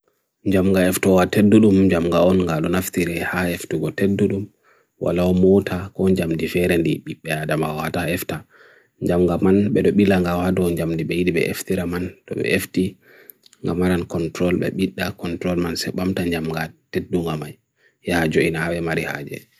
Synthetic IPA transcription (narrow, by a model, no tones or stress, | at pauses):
ɲd͡ʒamŋɡaɛftɔwatedːuɗumd͡ʒamŋɡaɔnŋɡaɗɔnaftiɾɛhaɛftuɡɔtedːuɗum | wʔa̰laɔmɔtʰakɔɲd͡ʒamdifɛɾɛndiɓiɓːɛadamaɔhataɛfta | ɲd͡ʒamŋɡamanɓɛɗɔɓilaŋɡawadɔɲd͡ʒamdiɓɛjiɗiɓɛ̰ʔḛftiɾamantɔ̰ɓɛ̰ʔefti | ŋɡamaɾankɔntɾɔlɓɛ̰ɓiɗːakɔntɾɔlmansɛɓamtaɲd͡ʒamɡatedːuŋɡamaj | jɛhad͡ʒoinahawɛmaɾiha̰d͡ʒɛ̰